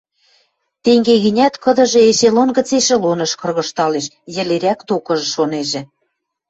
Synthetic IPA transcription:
t̪eŋɡeɣinʲæt̪kɤ̆d̪ɤ̆ʒɤ̆eʃelonɣə̆t͡seʃĕlonɤ̆ʃkɤ̆rɣɤ̆ʃt̪ɑleʃ | jɘ̆leɾʲækt̪okɤ̆ʒɤ̆ʃoneʒĕ

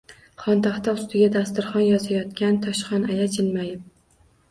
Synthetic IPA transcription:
χɒnt̪ʰaχt̪aʊst̪ɪɡʲad̪ast̪ɪɾχɒnjɒzajɒt̪kʲant̪ʰɒʃχɒnajat͡ʃʰɪlmajɪp̚

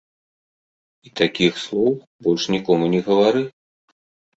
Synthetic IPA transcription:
it̪akʲixslˠɔw | bɔlʲʂnʲikɔmunʲɛɣɐvaɾɨ

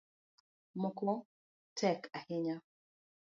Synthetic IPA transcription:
mokɔ | tʰɛkahɪɲa

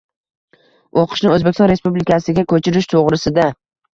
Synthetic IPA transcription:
oqʰɨ̥ʃnɪɵzbekʲsɒnɾe̞spublɪkʲʰasɪɡʲakʲʰɵt͡ʃʰɪɾɪʃt̪ʰoʁɾɪsɪd̪a

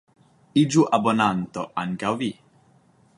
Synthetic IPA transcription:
id͡ʒuʔabonant̪oʔankawvi

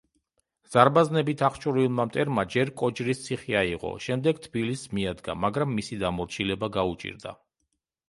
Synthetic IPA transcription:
z̥aɾbaznɛbit̪ʰaχt͡ʃʼuɾilˠmamt̪ʼɛɾmad͡ʒɛɾkʼɔt͡ʃɾist̪sʰiχiaiʁɔ̰ʃɛmd̪ɛɡt̪ʰb̥ilismiad̪ɡa̰maɡɾamːisid̪amɔɾt͡ʃʰilɛbaɡaut͡ʃʼḭɾd̪a̰

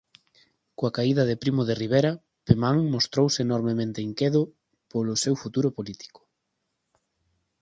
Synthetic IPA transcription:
koakaiðɐðepɾimʊðeriβ̞eɾɐ | pemaŋmost̪ɾowsɪːnɔɾmemẽnt̪eiŋkeðʊ | polʊsewfut̪uɾʊpolit̪i̥kʊ̥

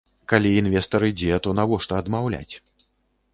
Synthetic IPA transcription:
kalʲiːnvʲɛst̪ɐɾɨd͡zʲɛt̪ɔnavɔʂt̪ɐːd̪mawlʲa̰t͡sʲ

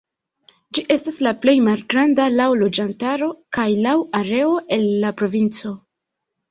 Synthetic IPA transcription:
d͡ʒiʔe̞staslaple̞jmalɡɾandalawlo̞d͡ʒantaɾo̞kajlawaɾe̞o̞ʔe̞nːapɾo̞vint͡so̞

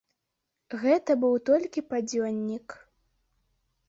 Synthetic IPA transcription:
ɣɛt̪ɐbɨwt̪ɔlʲkʲipad͡zʲɔnʲːik

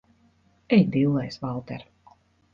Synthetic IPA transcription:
ɛjd̪ilˠːɛjsvalˠt̪ɛɾ

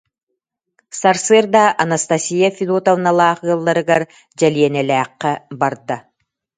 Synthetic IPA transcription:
saɾsɯɾd̪aʔɐnast̪asʲijafʲid̪ut̪avɯnalˠaːχɯːlˠːaɾɯɡaɾ | d͡ʑɛliɛnɛlʲæːqːɛbaɾd̪a

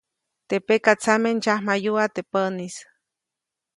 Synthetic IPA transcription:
t̪epekat͡samend͡ʒahmajuat̪epənis

